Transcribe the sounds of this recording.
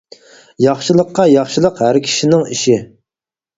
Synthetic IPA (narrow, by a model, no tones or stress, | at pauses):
jɑχʃɨlˠəqːɑjɑχʃɨlˠəqhæɾkʲʰi̥ʃinɪŋiʃi